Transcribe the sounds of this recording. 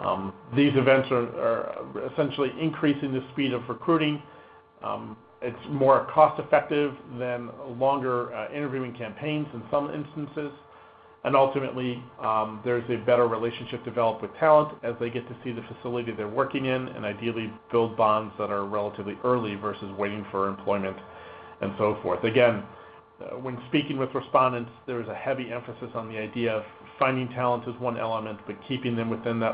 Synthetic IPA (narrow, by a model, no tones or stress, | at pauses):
ðizɨvɛ̃ntsə˞ə̰˞ɪsɛ̃nʃl̩ˠiʔɨ̃nkʰɹ̥isɪ̃ŋðɨspiɾʌvɹɨkʰɹ̥ʉɾɪ̃ŋ | ɪtsmɔɹkʰɔstɨfɛk̚tɪvðɨ̃nlɔ̃ŋɡə˞ɪ̃ɾ̃ə˞vjʉɪ̃ŋkʰæ̃mpʰẽɪ̃nzɨ̃nsʌ̃mɪ̰̃nstn̩sɪz̥ | ʔɨ̃nʌlˠtɨmɨ̰ʔˡli | ðə˞zɨbɛɾə˞ɹileɪʃn̩ʃɪp̚d̥ɨvɛlˠəp̚t̚wɨð̥tʰælˠə̃ntɨzðeɪɡɛtʰɨsiðɨfɨsɪlˠəɾiðə˞wɜ˞kɪ̃ŋɪ̃nɨ̰̃naɪdil̩ˠib̥ɪlˠd̚bɑ̃ndzðəɾə˞ɹɛlˠəɾɨvliʔɜ˞lˠivɜ˞sɨzweɪɾɪ̃ŋfə˞ɨ̃mpʰl̥ɔɪmɨ̃nt | ʔɨ̰̃nsoʊfɔ̰ɹθɨɡɛ̃n | wɨ̃nspikɪ̃ŋwɨðɹɨspɑ̃ndɨ̃ntsðə˞zɨhɛviɛ̃ɱfɨsɨsn̩ðiaɪdiɨʌv̥ | fãɪ̃ndɪ̃ŋtʰælˠə̃ntʰɨzwʌ̃nʔɛ̰lˠəmɨ̃nb̥ʌt̚kʰipɪ̃ŋðɨ̃mwɨθɪ̃nðɨ